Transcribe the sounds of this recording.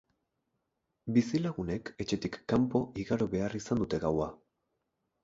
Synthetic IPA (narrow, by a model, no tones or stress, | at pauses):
bisilaɣune̞ke̞t͡ʃe̞t̪ikːampo̞ʔiɣaɾo̞βe̞arisand̪ut̪e̞ɣawa